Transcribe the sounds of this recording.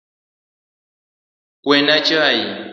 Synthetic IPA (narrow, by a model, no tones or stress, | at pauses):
kwɛnat͡ʃaji